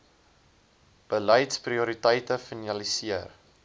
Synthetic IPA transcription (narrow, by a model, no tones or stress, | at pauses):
b̥ələjtspriuɾitəjtəfinɐlisiər